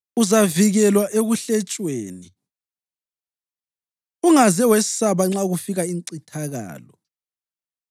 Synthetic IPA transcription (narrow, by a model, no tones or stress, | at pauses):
uzaviɣɛlwaʔeɣuɬɛt͡ʃʼweːni | uŋazɛwesi̥saβaŋ͡ǁaɣufiɣaiŋǀitʰaɣa̰ːlɔ